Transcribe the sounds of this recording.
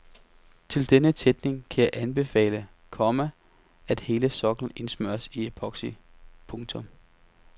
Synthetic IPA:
t͡sʰe̝ld̥enət͡sʰed̥ne̝ŋkʰæjɑ̈ɪʔænb̥e̝fɛ̰ːlə | kʰɒmæ | æd̥he̝ːləsɒ̽ɡ̥ln̩e̝nsmøɐsiepʰɒ̽ɡ̥si | pʰɔ̽ŋt͡sʰɔ̽m

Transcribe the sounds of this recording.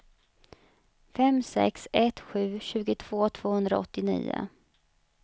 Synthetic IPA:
fɛmsɛ̰ksɛt̪ɧʉ̟ːɕʉ̟ːɡʊt̪ʰv̥oːt̪ʰv̥oːhɵnd̪ɾa̰ɔt̪ːɪnḭːʊ̰

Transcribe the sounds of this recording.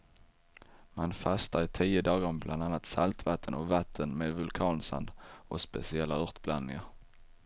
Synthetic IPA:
manfast̪aɪt̪ʰiːəd̪ɑːɡəɾɔmblʔand̪anːat̪salt̪vat̪ʰːənɔvat̪ʰːənmeːd̪vɵlkʰɑːnsa̰nd̪ɔspɛ̰sɪɛlːaɵʁt̪blanːɪŋaɾ

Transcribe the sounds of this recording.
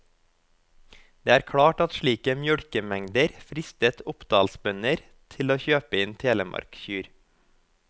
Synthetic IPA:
d̪̥eːæːɾkʰɽɑːʈɑt̪ʃɭiːkəmjœɽkəmɛŋd̪əɾfɾɪst̪ət̪ʊpd̪ɑːlsbœnəɾ | t̪ʰɪloːçøːpəɪːnt̪ʰeːləmʔɑ̰ɾkçyːɾ

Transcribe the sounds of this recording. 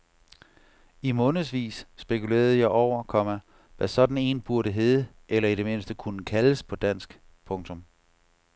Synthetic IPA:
imɔ̽ːnð̩ˠsʋḭːsːb̥e̝kʰule̝̰ːɐð̞̩ˠəjɑ̈ɪʔɒʊ̰ɐkʰɒ̽mæ | ʋæsɒ̽d̥n̩e̝̰ːnb̥uɐɾ̥əɦeːð̞ˠə | ʔelɐid̥e̝me̝nsd̥əkʰunəkʰæləspʰɒ̽d̥æn̰sɡ̥ | pʰɔ̽ŋt͡sʰɔ̽m

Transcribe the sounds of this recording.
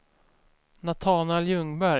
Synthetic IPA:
nat̪ʰɑːnɛljɵŋbæɾ

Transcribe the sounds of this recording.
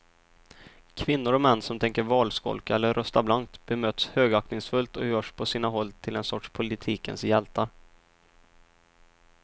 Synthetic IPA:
kʰvɪnːʊɾɔmɛnːsɔmt̪ʰɛŋkəɾvɑːlskɔ̰lkaɛlːəɾɾʔœst̪ablank̚t̪b̥ɛmøːt̪shøːɡaknɪŋsfɵlt̪ɔjœːʂpʰɔsiːnaɦɔlːt̪ʰɪlɛnsɔʈʂpʰʊlɪt̪ʰiːkə̰nsjɛlt̪ʰa

